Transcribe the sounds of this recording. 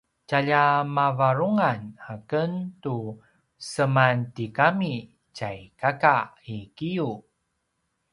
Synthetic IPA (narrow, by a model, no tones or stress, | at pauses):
caʎamavaɾuŋanakəntu | səmantikami | cajkaka | ikiju